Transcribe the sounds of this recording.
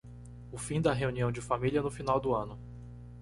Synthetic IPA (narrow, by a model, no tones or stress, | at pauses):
ʊfĩd̪ɐɦeuniɐ̃w̃d͡ʒɪfamiliɐnʊfinawd̪ʊɐ̃nʊ